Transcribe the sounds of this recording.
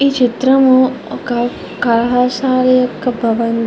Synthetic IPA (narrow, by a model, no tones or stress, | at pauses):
iːt͡ʃit̪ɾɐmukɐ | kɐlɐɦaːsaːɾjɐkɐbʱɐʋɐn